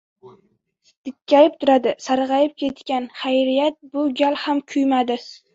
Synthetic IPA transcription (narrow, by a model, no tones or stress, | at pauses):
d̪̥ɪkʲːajɪp̚t̪ʰʊɾad̪ɪsaɾʁɑjɪp̚kʲʰe̞t̪kʲanχajɾijat̪̚bʊɡʲalhamkʲʰʊjmad̪ɪ